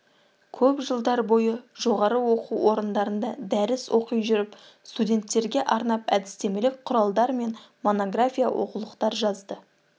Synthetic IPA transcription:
kʲʰɵpʒəlˠd̪ɑɾbo̞jəʒo̞ʁɑɾəwoquwwo̞ɾənd̪ɑɾənd̪ɑd̪æɾɪswʔo̞qəjʒʏɾɪp | st̪udʲe̞nt̪ːe̞ɾɡʲe̞ʔɑɾnɑpæd̪ɪst̪e̞melɪk̚qʰʊɾɑlˠd̪ɑɾme̞n | mo̞no̞ɡrafʲija̰wʔo̞̰qulˠəqt̪ɑɾʒɑzd̪ə

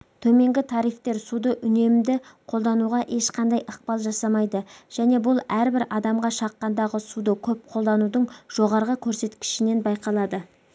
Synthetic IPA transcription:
t̪ʰɵme̞ŋɡʲɪt̪ʰɑɾijft̪e̞ɾsud̪əʔʏne̞md̪ɪqʰolˠd̪ɑnuʁɑʔe̞ʃqʰɑnd̪ɑjʔəq̚pɑlˠʒɑsɑmɑjd̪əʒ̥æne̞bʊlˠæɾbɪɾɑd̪ɑmʁɑʃɑqːɑnd̪ɑʁəsud̪əkʲʰɵp̚qʰo̞lˠd̪ɑnud̪əɴʒ̥o̞ʁɑɾʁəkʲʰɵɾse̞t̪kʲɪ̥ʃɪne̞nbɑjqɑlˠɑd̪ə

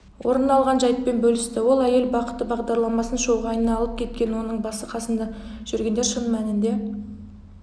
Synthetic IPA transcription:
wʔo̞ɾənɑlˠʁɑnʒɑjt̪̚pe̞nbɵlɪst̪ɪwo̞lˠæje̞lbɑqə̥t̪ːəbɑʁd̪ɑɾlˠɑmɑsənʃo̞wʁɑɑjnɑlˠəp̚kʲʰe̞t̪̚kʲe̞nwo̞nəɴbɑsəqʰɑsənd̪ɑʒ̥ʏɾɡʲe̞nd̪eʃənmænɪnd̪e̞

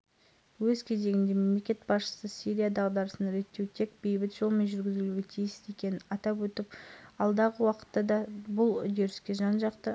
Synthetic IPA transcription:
wɵzkʲʰe̞ze̞ɡʲɪnd̪e̞me̞mle̞kʲe̞t̪̚bɑsʃə̥səsiɾʲijad̪ɑʁd̪ɑɾəsənɾe̞t̪ːe̞wt̪ʰe̞k̚b̥e̞jbɪt̪ʒ̥o̞lˠmenʒʏɾɡʲɪzuuɡʲet̪ʰijɪsɪzekʲe̞nɪɑt̪ɑpwɵt̪ɪpɑlˠd̪ɑʁəwɑqə̥t̪ːɑd̪ɑbʊlˠʏd̪e̞ɾɪskʲe̞ʒɑnʒɑqt̪ə

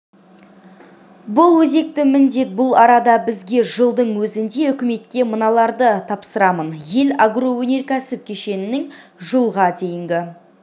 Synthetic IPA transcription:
bʊlˠwɵze̞k̚t̪ɪmɪnd̪e̞t̪̚bʊlˠɑɾɑd̪ɑbɪzɡʲe̞ʒəlˠd̪əɴwɵzɪnd̪e̞ʏkʲɪme̞t̪kʲe̞mənɑlˠɑɾd̪ət̪ʰɑpsəɾɑmənje̞laɡro̞wɵne̞ɾkʲʰæsɪp̚kʲʰe̞ʃe̞nɪnɪŋʒəlˠʁɑd̪e̞jɪŋɡʲɪ

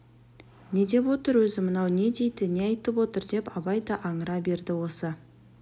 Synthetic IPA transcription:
ne̞d̪e̞pwo̞t̪əɾwɵzɪmənɑwne̞d̪e̞jd̪ɪneɑjt̪əpwot̪əɾd̪e̞pɑbɑjd̪ɑʔɑɴəɾɑbe̞ɾd̪ɪwo̞sə

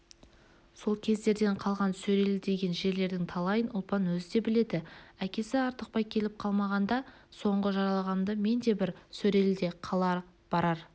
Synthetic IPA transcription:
so̞lˠkʲʰe̞zd̪e̞ɾd̪e̞ɴqʰɑlˠʁɑnsɵɾe̞lɪd̪e̞ɡʲe̞nʒe̞ɾle̞ɾd̪ɪŋt̪ʰɑlˠɑjənʔʊlˠpɑnwɵzɪd̪e̞bɪle̞d̪ɪækʲe̞sɪɑɾt̪əq̚pɑjkʲʰe̞lɪp̚qʰɑlˠmɑʁɑnd̪ɑ | so̞ɴʁəʒɑɾɑlˠɑʁɑmd̪əme̞nd̪e̞bɪɾsɵɾe̞lɪd̪e̞qʰɑlˠɑɾə | b̥ɑɾɑɾ

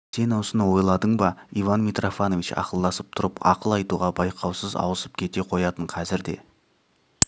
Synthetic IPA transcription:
se̞nɑwsənəwo̞jlˠɑd̪əɴbɑivanmʲijt̪rʔofano̞vit͡ʃɑ̰qəlˠd̪ɑsəp̚t̪ʰʊɾəpɑ̰qəlˠɑjt̪uʁɑbɑjqʰɑwsəzɑ̰wəsəp̚kʲʰe̞t̪e̞qʰojɑt̪əɴqʰɑzɪɾd̪e̞̰

